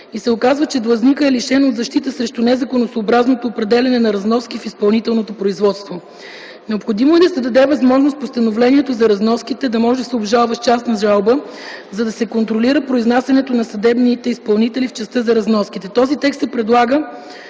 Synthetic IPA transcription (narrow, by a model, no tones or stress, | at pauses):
isɛokazvət͡ʃɛd̪lˠɐznikəɛliʃɛnod̪zɐʃt̪it̪əsɾɛʃt̪unɛzɐkonosoːbɾaznot̪oːpɾɛd̪ɛlʲɐnɛnɐɾɐznɔskifispɐlˠnit̪ɛlˠnot̪opɾoizvɔt̪st̪vo | nɛopxod̪imoɛd̪ɐsɛd̪ɐd̪ɛvɐzmɔʒnost̪post̪ɐnovlɛnʲiɛt̪ozɐɾɐznɔskit̪ɛd̪ɐmɔʒɛd̪ɐsɛobʒalˠvəʃt͡ʃast̪nɐʒalˠbə | zɐd̪ɐsɛkont̪ɾoliɾəpɾoiznasʲɐnɛt̪onɐsɐd̪ɛbnit̪ɛispɐlˠnit̪ɛlift͡ʃɛst̪ɤzɐɾɐznɔskit̪ɛt̪ɔzit̪ɛkst̪sɛpɾɛd̪lˠaɡə